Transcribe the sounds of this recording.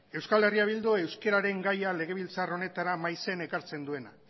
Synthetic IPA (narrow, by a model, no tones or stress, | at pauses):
e̞wskale̞riaβ̞ild̪ue̞wske̞ɾaɾe̞ŋɡajale̞ɣ̞e̞βilt͡saro̞ne̞t̪aɾamajse̞ne̞kaɾt͡se̞nd̪ue̞na